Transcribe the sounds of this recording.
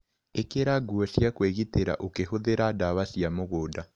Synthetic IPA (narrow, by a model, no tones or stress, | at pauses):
ekeɾaɡuɔsjakweɣiteɾa̰ʔokehoðeɾadaβasjamoɣoːda